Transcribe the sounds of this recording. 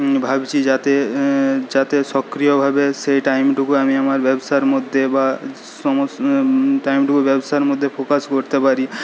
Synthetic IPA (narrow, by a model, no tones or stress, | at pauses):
bʱabt͡ɕʰid͡ʑat̪e | d͡ʑat̪eʃɔkɾijobʱabeʃejʈajmʈukuamiamaɾbɛbsaɾmod̪ʱːeba | ɔmo | ʈajmʈukubɛbsaeɾmod̪ʱːefɾokaskoɾt̪epaɾi